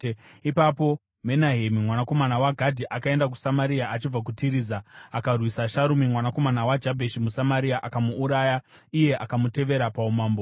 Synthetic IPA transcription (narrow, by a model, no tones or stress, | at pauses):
ipapo̞ | me̞naɦe̞mimwanako̞manawaɡʱadʱiʔakae̞ndak̬u̥samaɾiaʔat͡ʃib͡vak̬utiɾiːzaakarwisaʃaɾumimwanako̞manawad͡ʒabʱeʃimusamaɾiaʔakamuːɾaːjaije̞ʔakamute̞ʋe̞ɾapaumaːmbo